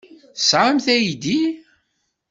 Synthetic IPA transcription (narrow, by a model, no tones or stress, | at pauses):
θsʕamθæjid̪i